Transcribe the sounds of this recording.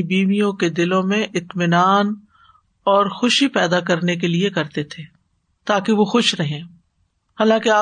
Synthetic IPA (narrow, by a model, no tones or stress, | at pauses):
biːʋijõked̪ɪlõmẽʔɪt̪mɪnaːn | ɔːɾxʊʃipɛːd̪akɐɾnek̬eliekɐɾt̪et̪ʰeː | t̪aːkeʋoxʊʃɾɐɦẽː | haːlãkeaː